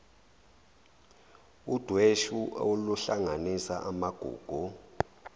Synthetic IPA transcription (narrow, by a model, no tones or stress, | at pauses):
ud̥ʱweʃuoluɬaŋanisaʔamaɡ̥ʱṵːɡ̥ʱu